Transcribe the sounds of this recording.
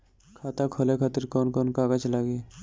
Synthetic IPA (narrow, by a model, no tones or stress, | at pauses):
kʰaːt̪akʰoːlekʰat̪ɪɾkɔːnkɔːnkaːɡət͡ʃlaːɡeː